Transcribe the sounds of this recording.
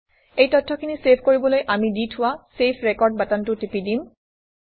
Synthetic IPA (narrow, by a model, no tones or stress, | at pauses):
ejtɔtʰːɔkʰinisepʰkoɹibɔlojʔamiditʰʊwasepʰɹekɔɹd̚batantʊtipidim